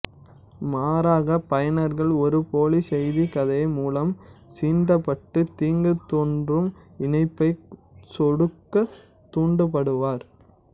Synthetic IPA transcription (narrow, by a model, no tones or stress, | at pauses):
maːɾaːɣɐpɐjɐnɐɾɣɐɭɔɾɯpoːlisɛjðikɐðɐjmuːlɐmsiːɳɖɐpːɐʈːɯt̪iːŋɡɯt̪ːoːɳdrɯmɪnɐɪpːɐɪsɔɽɯkːɐ | t̪ːuːɳɖɯpɐɽɯʋaːɾ